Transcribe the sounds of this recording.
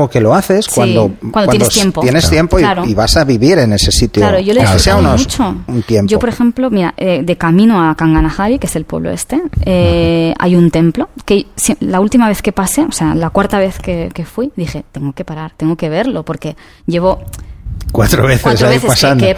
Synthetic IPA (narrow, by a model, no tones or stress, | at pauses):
oke̞lo̞aθe̞sskwaind̪okwand̪wnt̪eeot̪jempojenest̪je̞mpoilaɾoiβasaβiβiɾe̞ne̞se̞sit̪jolaɾoʝoleseaunout͡ʃount̪jempʝo̞poɾe̞xe̞mplo̞miɾa̰ʔeðe̞kamĩnoakaŋɡanaxaβikee̞se̞lpwe̞βlo̰est̪e̞ea̰junt̪e̞mplo̞keselault̪imaβe̞θke̞pase̞osealakwaɾt̪aβ̞e̞θkeke̞fwiðixe̞t̪e̞ŋɡo̞ke̞paɾaɾt̪e̞ŋɡo̞ke̞β̞e̞ɾlo̞po̞ɾke̞ | ɟ͡ʝe̞β̞o̞ | kwat̪ɾoβeθeasaeipasand